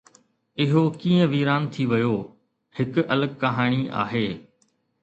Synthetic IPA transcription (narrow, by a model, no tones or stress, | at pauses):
ɪɦokĩːə̃ʋiːɾaːnt̪ʰiʋɐjoː | hɪkʊʔɐləɡ̚kɐɦaːɽ̃ia̰ːɦeː